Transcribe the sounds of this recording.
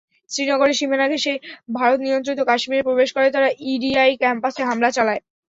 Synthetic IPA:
sɾinɔɡoɽeʃimanaɡʱeʃebʱaɾot̪nijont̪ɾit̪ːokaʃmiɾepɾobeʃkoɾet̪aɾaʔiɖiajkɛmpaseɦamlat͡ɕalae

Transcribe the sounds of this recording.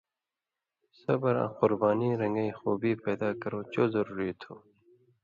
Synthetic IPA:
sɐbəɾã̰qʊɾbaːniːɾɐ̃ŋɡəixuːbiːpɛːd̪aːkɐɾoːt͡ʃoːzɐɾuːɾit̪ʰoː

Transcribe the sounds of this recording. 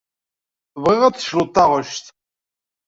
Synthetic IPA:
vʁɪʁæt͡sːə̥ʃlut̪ːɑʁəʃt̪

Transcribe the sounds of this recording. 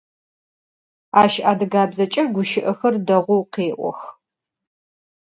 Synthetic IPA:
aːʃʔaːdɨɡaːbzɐt͡ʃʼɐrɡʷʊʃɪʔɐxɐrdɐʁʷʊwqeːʔʷɔ̰x

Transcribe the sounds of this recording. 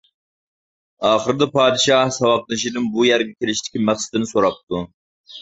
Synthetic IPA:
ɑːχəɾɨd̪ɛpʰɑːd̪ɪʃɑhsɑwɑq̚nɨʃ̬id̪ɨŋbujæɾɡʲɛkʲʰelɪʃt̪ʰɪ̥kʲimæχsɨ̥d̪ɪnɪsoɾɑp̚t̪ʰu

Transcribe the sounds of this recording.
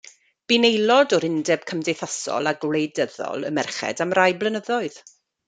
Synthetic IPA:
b̥inejlˠɔdɔɾɪndɛb̥̚kʰəmdejθasɔ̰lˠaɡwlejdəðɔ̰lˠə̰mɛrχɛ̰damrajblˠənəðɔɨð̥

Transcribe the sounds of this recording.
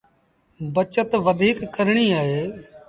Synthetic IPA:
bət͡ʃət̪ʋəd̪ʱiːkːəɾɳiːaːɦeː

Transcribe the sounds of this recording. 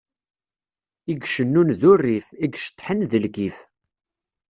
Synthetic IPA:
iɡʃənːunðʊrːiθiɡʃə̥t̪ːˤħənðəlɡif

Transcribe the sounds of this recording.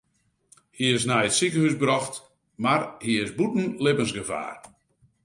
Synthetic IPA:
hiɪsnɛjətsikəhysbrɔxt | marhiɪsbutn̩lɪbənsɡəva̰ːr

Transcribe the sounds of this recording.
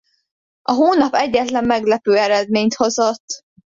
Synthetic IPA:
ɒɦoːnɒpɛɟːɛt̪lɛmːɛɡlɛpøːɛɾɛd̪meːɲt̪ho̞zo̞t̪ː

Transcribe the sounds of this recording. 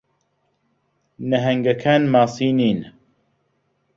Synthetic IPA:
nəɦɛŋɡɐkʰanmaːsiːniːn

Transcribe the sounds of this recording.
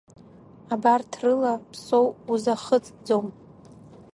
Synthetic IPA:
abartʰrɨlapʰsowuzaχət͡sʼd͡zom

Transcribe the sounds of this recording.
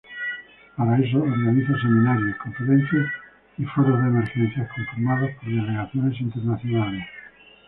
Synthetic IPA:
paɾaes̬oːɾɣaniθos̬emĩnaɾjoskõɱfuðẽnθjas | ifoɾozðeemeɾxẽnθjaskoɱfiɾmaðospoɾðeleɣ̞aθjonesint̪eɾnaθjonales

